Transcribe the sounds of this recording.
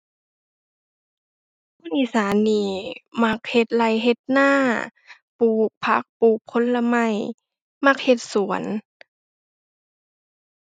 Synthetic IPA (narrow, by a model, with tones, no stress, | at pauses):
pkʰuː˧˥˨nʔi˧˩˨saː˨˦nːiː˧˩ma˧k̚he˧˩t̪̚la˧˩jɦe˧t̪̚naː˥˩˨ | puː˨˩k̚pʰa̰˧˦˥k̚puː˨˩kʰːo˧˦˥nla˧ma˧˩j | ma˧˥k̚he˧t̪̚su˨˩˦ə˦n